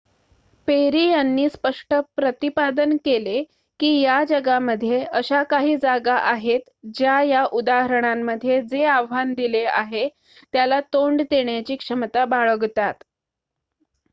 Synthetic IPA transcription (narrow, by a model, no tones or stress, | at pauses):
peɾiːjanːiːspəʂʈəpɾət̪ipad̪ənkele | kiːjad͡ʑəɡaməd̪ʱjeəɕakaɦiːd͡zaɡaʔaɦet̪d͡ʑjajaʔud̪aɦəɾəɳ̃amːəd̪ʱːjed͡zeaʋʋand̪ilea̰ɦe | t̪jalat̪oɳɖt̪eɳjat͡ɕiːkʂəmt̪abaɭəɡt̪at̪